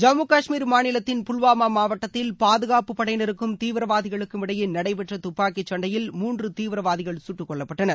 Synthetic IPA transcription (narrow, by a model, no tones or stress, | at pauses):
d͡ʒɐmukaːʂmiːɾmaːnɪlɐt̪ːɪnpʊɭʋaːmaːmaːʋɐʈːɐt̪ːɪlpaːðɯɣaːpɯpːɐɽɐjnɪɾɯkːɯmt̪iːʋɪɾɐʋaːðɪɣɐɭɯkːɯmɪɽɐjɪnɐɽɐɪpɛʈrɐt̪ʊpːaːkit͡ʃːɐɳɖɐjɪlmuːndrɯt̪iːʋɪɾɐʋaːðɪɣɐɭsʊʈːɯkːɔɭːɐpːɐʈːɐnɐɾ